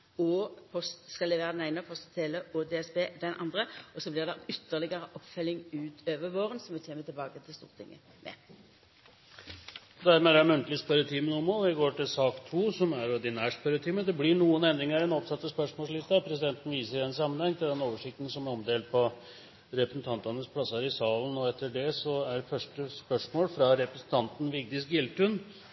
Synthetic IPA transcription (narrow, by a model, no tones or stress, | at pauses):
ɔpʰɔst̪skɑlɛʋeːʁd̪ɛnæɪnəpʰɔst̪t̪ʰeːləod̪eːɛsbeːd̪ɛnʔɑ̰nd̪ʁəʔɔsɔblɪʁd̪ɛʏt̪ːəʁlɪɡəʁəʔɔpːfœlɪŋʉːt̪ʰøːʋəʋoːʁənsɔmʋɪt̪ʰeːmət̪ʰɪlbɑːkət̪ʰɪlst̪ṵːʁt̪ʰɪ̰ŋːə̰ | mʔɛ̰ | d̪æɾmɛːd̪æɾmʉnt̪əlɪspœɾət̪ʰiːmənʊmːəɾɔɪɡoːʈɪlsɑːkt̪ʰuːsɔmæɾɔd̪ɪnæːʂpɛɾʊt̪ʰiːməd̪ɛblɪɳuːənɛnd̪ɾɪŋəɾɛnɔpsɑt̪ːəspœʂmoːsɭɪst̪ɑpʰɾɛs̬ɪd̪ɛnt̪n̩ʋiːsəɾɛns̬ɑmːənhɛŋːt̪ʰɪld̪ɛnːoːʋəʂɪk̚t̪n̩sɔmæɾɔmd̪eːl̚pʰɔ | ɾɛpɾəsnt̪ʰɑnt̪ɑnəspʰlɑsɑɾɪsɑːlənɔɛt̪ːəɖɛsɔæɾfœʂʈəspœʂmoːlfɾɑɾɛpɾɛsn̩t̪ʰɑnt̪n̩ʋɪɡ̚d̪ɪsɡɪlt̪ʉn